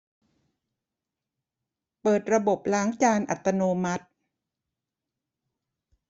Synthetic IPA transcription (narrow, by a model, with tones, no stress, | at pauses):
pɤː˨˩t̪̚ɾa˧bo˨˩p̚laː˦ŋt͡ɕaː˧nʔa̰˨˩t̪ːa˧noː˧ma˦˥t̪̚